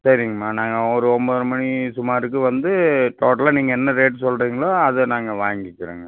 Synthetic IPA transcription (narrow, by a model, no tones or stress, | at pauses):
sɐɾɪŋɡɐmaːnaːŋɡɐɔɾɯɔmboɾɐmɐɳisʊmaːɾɯkːɯʋɐnd̪ɯʈoːʈɐlaniːŋɡɐɛnːɐɾeːʈsɔlɾiːŋɡɐɭaːɐðɯnaːŋɡɐʋaːŋɡɪkːɪɾḛːŋɡɐ